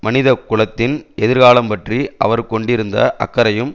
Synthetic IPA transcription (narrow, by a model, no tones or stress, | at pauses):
mɐnɪðɐkːʊɭɐt̪ːɪnɛðɪɾɣaːlɐmpɐʈriʔɐʋɐɾkɔɳɖɪɾɯnd̪ɐʔɐ̰kːɐɾɐjɯm